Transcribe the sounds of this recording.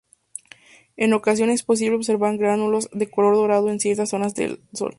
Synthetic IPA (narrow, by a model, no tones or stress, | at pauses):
e̞no̞kas̬jo̞ne̞spo̞s̬iβleo̞βs̬e̞ɾβaɾɡɾanulozðe̞ko̞lo̞ɾðo̞ɾað̞oensje̞ɾt̪asːo̞nazðḛlso̰l